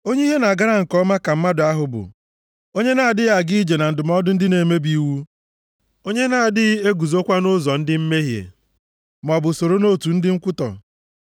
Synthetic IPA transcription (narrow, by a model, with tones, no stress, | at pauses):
o˦ɲe˦i˦ɦe˦na˨ɡa˦ɾa˦ŋ̩˨kɔ˦ma˦ka˨m̩˦ma˦dʊ˨a˦ɦʊ˨bʊ̰˨ | o˦ɲe˦na˨a˨dɪ˦ja˨ɡi˦i˦d͡ʒe˨na˨n̩˨dʊ˨m˦ɔ˦dʊ˦n̩˦dɪ˦ne˨me˦bi˦wu˦ | o˦ɲe˦na˨a˨dɪ˦e˦ɡu˨zo˦kʷa˦nʊ˦zɔ˨n̩˦dɪ˦m̩˦me˦ɦjḛ˨ | m˨ɔ˨bʊ˨so˨ɾo˦no˦˨tu˨n̩˦dɪ˦ŋ̩˦kʷʊ˦tɔ̰˨